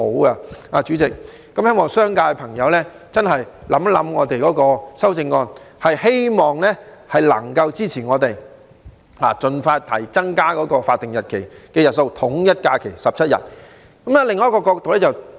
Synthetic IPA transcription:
ho˨˥wɐ˧aː˧t͡ʃyː˨˥t͡sɪ˨k̚ː | ɐ˨˥mhe˥jmɔː˨˩ŋsœː˥ŋkaː˧jpʰɐ˨˩ŋjɐ˨˧wlɛː˥ | t͡sɐ˥nɦɐ˨jlɐ˨˥mlɐ̰˨˥mŋɔ̰ː˨˧t̪e˨jkɔː˨˥kɔː˧sɐ˥wt͡sɪ˧ŋːɔː˧nhɐ˨jhe˥jmɔː˨ŋlɛː˥hɐ˨jlɐ̰˨˩ŋkɐ˧wt͡siː˥t͡sʰiː˨˩ŋɔː˨˧t̪e˨j | laː˨˩t͡ʃɵ˨˧nfaː˧t̪ʰɐ̰˨˩jt͡sɐ˥ŋkaː˥kɔː˨˥kɔː˧faː˧t̪̚ːɪ˨ŋjɐ˨t̚kʰe˨˩jkɛː˧jɐ˨t̚so˧wt̪ʰʊ˨˥ŋjɐ˥t̚kaː˧kʰe˨˩jsɐ˨p̚t͡sʰɐ˥t̚jɐ̰˨t̚ | kɐ˨˥ma˧lɪ˨ŋːɔː˨˦˥kɔː˧kɔː˧k̚t̪o˨wlɛː˥t͡sɐ˨w

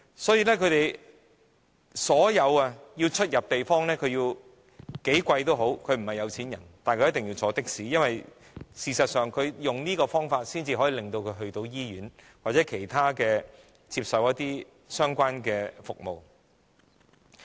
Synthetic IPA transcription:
sɔː˨˥jiː˧lɛː˥kʰɵ˨˧ɥt̪e˨j | sɔː˨˥jɐ˨˧wɐ˧jiː˧wt͡ʃʰɵ˥t̚jɐ˨p̚t̪e˨jfɔː˥ŋlɛː˥kʰɵ˨˧ɥjiː˧w | ke˨˥jkʷɐ˧jt̪o˥wɦo˨˥wkʰɵ˨˧ɥm̩˨˩hɐ˨jɐ˨˧wt͡sʰiː˨˥njɐ̰˨˩nt̪aː˨nkʰɵ˧jɐ˥t̪ɪ˨˩ŋjiː˧t͡sʰɔː˨˥t̪ɪ˥k̚siː˨˥jɐ˥nwɐ˨j | siː˨sɐ˨t̚sœː˨˩ŋkʰɵ˨˧ɥjʊ˨ŋniː˥kɔː˧fɔː˥ŋfaː˧t̚siː˥nt͡siː˧ɦɔː˨˥jiː˧lɪ˨˩ŋt̪o˧wkʰɵ˨˧ɥɦɵ˧ɥt̪o˧wjiː˥jyː˨˥n | waː˨t̚t͡sɛ˨˥kʰe˨˩jt̪ʰaː˥kɛː˧ | t͡siː˧p̚sɐ˨wjɐ˥t̚t̪iː˥ | sœː˥ŋkʷaː˥nkɛː˧fʊ˨k̚mo˨w

